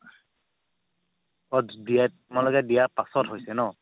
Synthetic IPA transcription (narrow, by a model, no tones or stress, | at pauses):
ɔdija | malɔɡɛdijapasɔtɦojsɛnɔ